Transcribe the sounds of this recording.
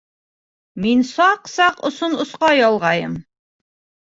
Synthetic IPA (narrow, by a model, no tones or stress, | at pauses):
minsɑqsɑqŏ̰sonŏsqɑjɒlˠʁɑjɤm